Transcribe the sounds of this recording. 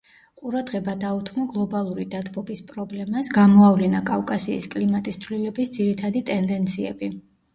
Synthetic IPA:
qʼuɾad̪ʁɛbad̪aut̪ʰmɔɡlˠɔbalˠuɾid̪at̪ʰʼbɔbispʼɾɔblɛmasɡamɔavlinakʼafkʼasḭːskʼlimat̪ʼist̪sʰvlilɛbisd̪ziɾit̪ʰad̪it̪ʼɛnd̪ɛnt̪sʰiɛ̰bi

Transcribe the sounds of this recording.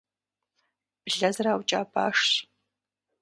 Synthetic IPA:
b̥ɮɐzɨraːwt͡ʃʼaːbʰa̰ːʂɕ

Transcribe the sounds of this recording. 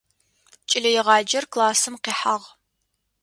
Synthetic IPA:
t͡ʃʼɪlɐjɪʁɑːd͡ʒɐrklaːsɨmqeːħaʁ

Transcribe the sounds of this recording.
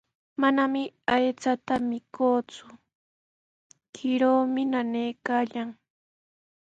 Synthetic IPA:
manamɪajt͡sat̪amɪkoːt͡sʊ̥ | kʰɪɾoːmɪnanejkaːʎaŋ

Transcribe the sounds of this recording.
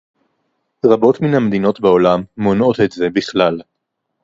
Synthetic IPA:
ʁabo̞tminhamed̪ino̞tbeo̞lamːono̞t̪etze̞biχlal

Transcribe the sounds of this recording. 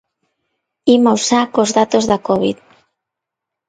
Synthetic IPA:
imawsakozðat̪ozðakɔβið

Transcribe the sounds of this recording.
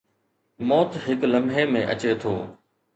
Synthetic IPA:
mɔːt̪ɦɪkləmɦeːmẽːʔə̰t͡ɕeːt̪ʰoː

